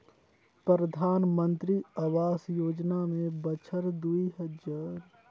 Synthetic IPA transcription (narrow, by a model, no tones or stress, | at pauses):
pɾəɾəd̪ʱaːnmə̃nt̪ɾiawaːsjoːd͡ʒnamẽbət͡ʃʰəɾd̪uiɦəd͡ʒaːɾ